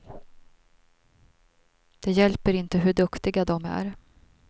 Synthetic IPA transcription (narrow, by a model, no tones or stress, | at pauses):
d̪̥ɛjɛlpəɾɪnt̪əɦɵɖɵkt̪ɪɡad̪ɔmæ̰ɾ